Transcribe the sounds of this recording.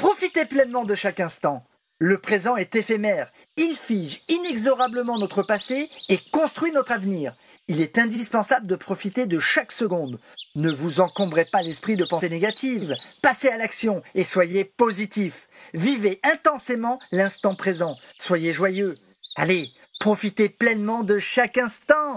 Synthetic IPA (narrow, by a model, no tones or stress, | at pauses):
pχɔfit̪eplɛnmɑ̃d̪əʃakɛ̃st̪ɑ̃ | ləpχezɑ̃ɛt̪efemɛʁ | ilfiʒinɛɡzɔʁabləmɑ̃nɔt̪χəpaseekɔ̃st̪χɥinɔt̪χavniːʁ | ilɛt̪ɛ̃d̪ispɑ̃sabləd̪əpχɔfit̪ed̪əʃaksəɡɔ̃d̪nəvuzɑ̃kɔ̃bʁepalɛspχid̪əpɑ̃seneɡat̪ʰivpasealaksjɔ̃eswajepozit̪if | viveʔɛ̃t̪ɑ̃semɑ̃lɛ̃st̪ɑ̃pχezɑ̃ | swajeʒwajøalepχɔfit̪eplɛnmɑ̃d̪əʃakɛ̃st̪ɑ̃